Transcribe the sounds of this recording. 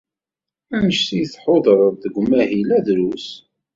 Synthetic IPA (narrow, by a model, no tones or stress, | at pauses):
ænəʃsijθħoðˤəɾˤððəɡʷmæhilæðɾus